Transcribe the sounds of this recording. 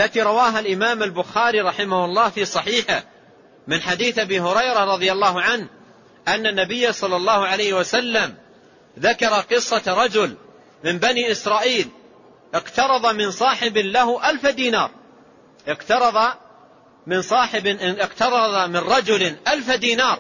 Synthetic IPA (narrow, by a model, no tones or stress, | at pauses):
alːat̪iːɾˤɑwaːɦalʔɪmaːmalbʊxaːɾiːɾˤɑħɪmahʊlˤːɑːhfiːsˤɑħiːħɪ̰ | mɪnħad̪iːθʔabiːɦʊɾɑjɾaɾˤɑðˤɨjalˤːɑːɦʊʕanh | ʔanːanːabɪjːasˤɑlːɑlˤːɑːhʊʕalajhɪwasalːam | ðakɑɾˤɑqɨsˤːɑɾˤɑd͡ʒʊl | mɪmbaniːʔɪsɾˤɑːʔiːl | ʔɪqt̪ɑɾˤɑðˤɑmɪnsˤɑːħɪbɪlaɦʊʔalfad̪iːnɑːɾˤ | ʔɪqt̪ɑɾˤɑðˤɑ | mɪnsˤɑːħɪbʔɪqt̪ɑɾˤɑðˤɑmɪnɾˤɑd͡ʒʊlʔalfad̪iːnɑːɾˤ